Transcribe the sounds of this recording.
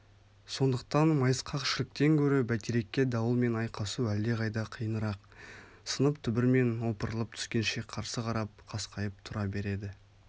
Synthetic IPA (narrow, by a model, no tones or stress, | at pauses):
so̞nd̪əq̚t̪ɑnmɑjəsqʰɑqʃɪlɪk̚t̪e̞ŋkʲʰɵɾebæt̪eɾe̞kʲːe̞d̪ɑwəlˠme̞nɑjqʰɑsuæld̪e̞ʁɑjd̪ɑqʰijənəɾɑqsənəpt̪ʰʏbɪɾme̞nwo̞pəɾəlˠəp̚t̪ʰʏ̥skʲe̞nʃe̞qʰɑɾsəqʰɑɾɑp̚qʰɑsqʰɑjəp̚t̪ʰʊɾɑbe̞ɾe̞d̪ɪ